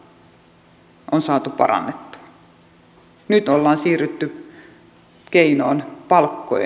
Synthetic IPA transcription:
ʔonsɑːt̪upɑ̰rɑ̰nːet̪ːu̥ɑ | nyt̪olːɑːnsiːryt̪ːy | keinoːnpɑlkːo̰j̰

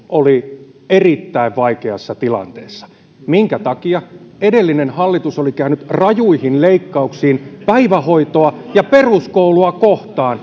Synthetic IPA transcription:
oli | erit̪ːæiʋʋɑikeɑsːɑt̪ilɑ̰nt̪eːsːɑ̥ | miŋkæt̪ɑkiɑedelːinenhɑlːit̪usolikæynyt̪rɑjuihinleikːɑuksiːnpæiʋæhoit̪oɑjɑperuskouluɑkoht̪ɑːn

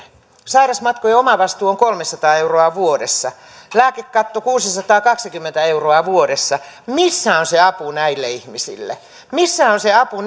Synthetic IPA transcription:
sɑirɑsmɑt̪kojeomɑʋɑst̪uːoŋkolmesɑt̪ɑːeuroɑʋuodesːɑ | læːkekkɑt̪ːokuːsisɑt̪ɑːkɑksikymːent̪æeuroɑʋuodesːɑmisːæonseɑpunæilːeihmisḭlːḛ | misːæonseɑpu

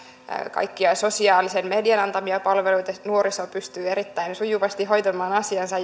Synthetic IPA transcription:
kɑ̰jkːiɑso̞siɑːlisenme̞diɑnɑnt̪ɑmiɑpɑlʋelujt̪ɑnuoɾisopyst̪yːe̞ɾit̪ːæjnsujuʋɑst̪iɦo̞jt̪omˑɑːnɑsiɑnsɑ

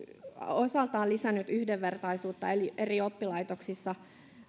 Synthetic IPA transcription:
osɑlt̪ɑːlisænːyt̪yhdeʋʋert̪ɑisuːt̪ːɑelieriopːilɑit̪oksisːɑ

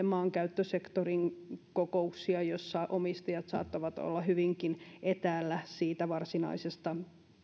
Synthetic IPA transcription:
emɑːŋkæyt̪ːøsekt̪oriŋkokouksiɑjosːɑʔomist̪ɑjɑt̪sɑ̰ːt̪ːɑʋɑt̪o̰lːɑhyʋiŋkinʔet̪æːlːæsiːt̪æʋɑrsinɑ̰isest̪ɑ

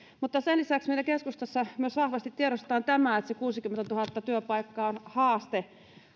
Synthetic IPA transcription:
mut̪ːɑsenlisæksmeˑilækeskust̪ɑsːɑmyøsʋɑhʋɑst̪it̪tieɾost̪t̪ɑːnt̪æmæet̪sekuːsikymːent̪æt̪uhɑt̪ːɑt̪yøpɑikːɑːonhɑːst̪e

